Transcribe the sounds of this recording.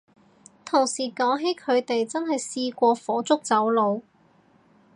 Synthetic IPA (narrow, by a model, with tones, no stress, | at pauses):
t̪ʰʊ˨˩ŋsiː˨˩kɔː˨˥ŋɦe˨˥jkʰɵ˨˧ɥt̪e˨jt͡sɐ˥nɦɐ˨jsiː˧kʷɔː˧fɔː˨˥t͡sʊ˥k̚t͡sɐ˨˥wlo˨˧w